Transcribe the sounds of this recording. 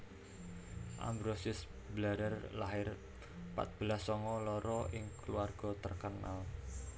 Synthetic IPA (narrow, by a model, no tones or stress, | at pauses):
ʔa̰mbɾosɪs | blaɾərlaɦɪr | pa̰t̪̚b̥əlasɔŋɔlɔɾɔʔɪŋkluarɡ̥ɔ̤t̪ərkənal